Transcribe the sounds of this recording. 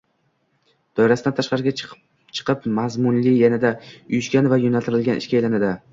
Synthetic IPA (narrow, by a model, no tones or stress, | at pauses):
d̪̥ɒjɪɾasɪd̪ant̪ʰaʃqɑɾɪɡʲa | t͡ʃʰɨ̥qʰɨpmazmʊnlɪjanad̪aʊjʊʃɡʲanvajonalt̪ʰɪɾɪlɡʲanʔɪ̰ʃkʲaejlanad̪ɪ